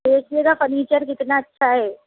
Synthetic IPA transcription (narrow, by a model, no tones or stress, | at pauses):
eːkʰleːɡafəɾniːt͡ʃəɾkɪt̪naɐtːʃʰaɦɛː